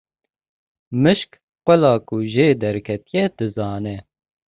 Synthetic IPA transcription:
mɨʃk | qʷɛlɑːkuʒeːd̪ɛɾkʰɛt̪ijɛd̪̥ɨzɑːnɛ

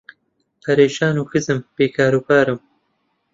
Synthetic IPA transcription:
pʰɐɾeːʃaːnuːxɨzɨmpeːkʰaːɾuːpʰaːɾɨm

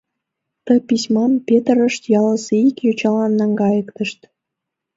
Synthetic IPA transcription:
t̪əpisʲmɑmpet̪əɾə̆ʃt̪jɑlə̆seikjot͡ɕɑlɑnːɑŋɡɑjə̆kt̪ə̆ʃt̪

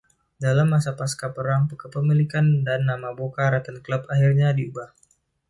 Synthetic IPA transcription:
dalamːasapaskapəɾaŋpəkəpəmilikandanːamabokaɾat̪ənkləpaɦirɲadiubah

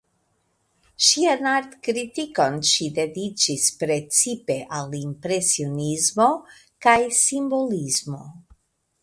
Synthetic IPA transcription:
ʃianaɾt̪kɾit̪iko̞nʃid̪e̞dit͡ʃispɾe̞t͡sipe̞ʔalimpɾe̞sionizmo̞ | kajsimbo̞lizmo̞

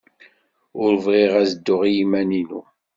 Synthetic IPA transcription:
ʊɾvʁiʁæzəd̪ːʊʁjimːæninṵ

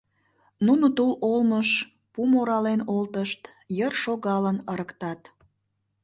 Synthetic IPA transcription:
nunot̪ololməʃ | pumoɾɑlenolt̪əʃt̪ | jərʃoɣɑlənəɾəkt̪ɑt̪

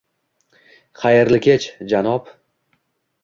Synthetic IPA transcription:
χajɾlɪkʲʰet͡ʃd͡ʒanɒp

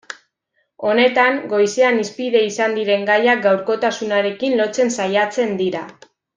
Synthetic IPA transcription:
o̞ne̞t̪aŋɡo̞jse̞anispiðe̞isand̪iɾe̞ŋɡajak̚ɡawɾko̞t̪asunaɾe̞kinlo̞t͡se̞nsajat͡se̞nd̪iɾa

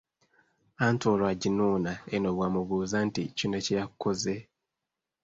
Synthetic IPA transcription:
antoːlwaɟinuːnaenoβwaːmuβuːzanticunacejakːoze

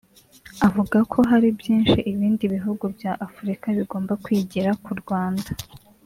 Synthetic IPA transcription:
avuɡakʰo̞ɦaɾibjiːnʃiʔiβiːndiβiɦuɡubjaʔafuɾikaβiɡo̞ːmbakwiːɟiɾakuɾɡwaːnda

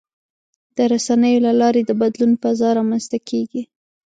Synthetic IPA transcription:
d̪̥əɾasanəjolalɑɾed̪əbad̪lunfazɑɾɑmanzt̪akʰeɡi

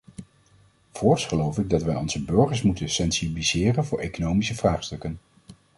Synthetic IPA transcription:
v̥ɔːɹsχəlowfɪɡ̚dɑtʋɛjɔnzəbɵɹχəɹsmutənsɛnsibiliz̥ɪːrənvʊːɹʔḛjkonowmisəvraːχstɵkən

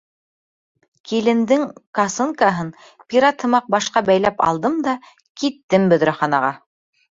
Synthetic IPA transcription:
kilɘ̆nd̪ɘŋkɑsɤŋkɑɦɤn | pʲiɾat̪ʰɤ̆mɑq̚bɑʃqɑbæjlæpɑ̰lˠd̪ɤmd̪ɑ | kit̪ːɘmbɵ̆ðɾɘ̆χɑnɑʁɑ

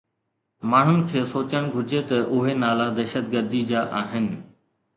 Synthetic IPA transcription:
maːɳ̤ʊnɪ̆kʰeːsoːt͡ɕəɽ̃ɡʱʊɾd͡ʑet̪ɐʔʊɦenaːlad̪ɛːʃət̪ɡəɾd̪id͡ʑaːʔaːɦɪnɪ̆

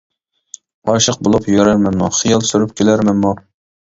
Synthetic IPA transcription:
ɑʃəq̚bolˠupjøɾæɾmɛnmṵχijɑlˠsyɾyp̚kʲʰelæɾmɛnmu

